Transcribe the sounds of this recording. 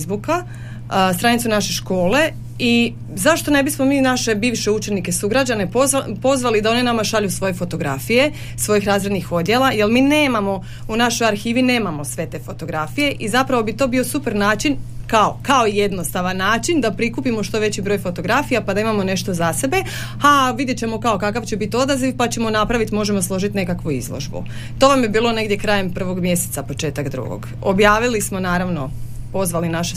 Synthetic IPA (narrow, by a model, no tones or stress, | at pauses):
zbuka | st̪ɾanit̪sunaʃe̞ʃko̞ːle̞ | i | zaʃt̪o̞ne̞bismo̞miːnaʃe̞biːʋʃeut͡ʃenike̞suɡɾad͡ʑane̞popo̞zʋalid̪ao̞ninamaʃaʎusʋo̞jefo̞t̪o̞ɡɾa̰fije̞ | sʋo̞jixɾaːzɾed̪nixo̞d̪je̞lˠaje̞lˠmiːne̞ːmamo̞ | unaʃo̞jaɾxiːʋine̞ːmamo̞sʋe̞t̪e̞ːfo̞t̪o̞ɡɾafije̞ʔizapɾaʋo̞bit̪o̞ːbio̞supeɾnaːt͡ʃinkaokao̞ije̞d̪nost̪aʋanːaːt͡ʃind̪apɾikupimoʃt̪o̞ʋe̞t͡ɕibɾo̞jfo̞t̪o̞ɡɾafijapad̪aimamo̞ne̞ʃt̪o̞zase̞be̞ | aʋid̪jet͡ɕe̞mo̞kao̞kakaʋt͡ɕebit̪io̞d̪aziʋpat͡ɕe̞mo̞napɾaʋit̪imo̞ʒe̞mo̞slˠo̞ʒit̪ine̞kakʋuḭzlˠo̰ʒbṵ | t̪o̞ʋamjebiːlo̞ne̞ɡd̪je̞kɾaːjempr̩ʋo̞ɡmje̞set̪sapo̞t͡ʃe̞ːt̪akd̪ɾṵɡo̰ɡ | objaːʋilismo̞naːɾaʋno̞po̞zʋalinaʃe